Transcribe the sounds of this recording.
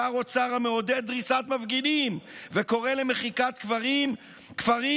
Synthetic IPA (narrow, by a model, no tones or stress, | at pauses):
aʁo̞t͡saʁameo̞d̪ed̚dʁisat̪mavɡinimveko̞ʁelemeχikat̪kvaʁim | kvaʁi